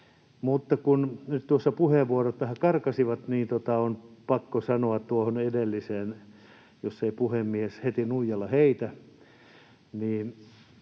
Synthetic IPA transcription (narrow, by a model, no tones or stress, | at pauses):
mut̪ːɑkunnyt̪t̪uosːɑpuheʋʋuorot̪ʋæhækɑrkɑsiʋɑt̪niːnt̪ot̪ɑonpɑkːosɑnoɑt̪t̪uohonedelːiseːn | josːeipuhemːieshet̪inuijɑlːɑheit̪æ | niːn